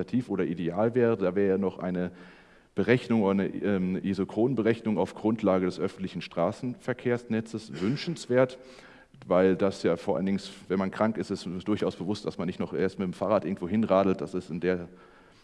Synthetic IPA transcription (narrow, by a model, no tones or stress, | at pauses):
atʰiːfʔoːɾɐʔideaːlvɛːʁədaːvɛːʁəənɔχʔa̰ɪnə | b̥əʁɛçnʊŋoːnəɛmʔizokʁ̥oːnənbəʁɛçnʊŋaʊfɡ̥ʁʊntʰlaːɡədɛsʔœfn̩tlɪçn̩ʃtʁ̥aːsn̩fɛɐkʰeːɐsnɛt͡səsvʏnʃn̩sv̥eːɐt | vaɪldasjaːfoːɐʔa̰lndɪŋsvɛnmankʁ̥aŋkɪstɪssd̥ʊɐçaʊsb̥əvʊstd̥asmanːɪçtnɔχʔeːɐstmɪtm̩faːʁaːtʔɪɐɡŋ̩tv̥oːɦɪnʁaːdl̩t̚d̥asɪstɪndeːɐ